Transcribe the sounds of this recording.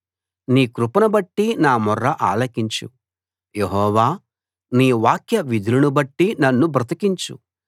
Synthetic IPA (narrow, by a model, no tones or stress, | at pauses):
niːkɾupɐnɐbɐʈːinaːmɔrːɐʔaːlɐkiɲt͡ʃṵ | jeɦɔːʋaː | niːʋaːkjɐʋid̪ʱilɐnubɐʈːinɐnːubʱɾɐt̪ɐkiɲt͡ʃṵ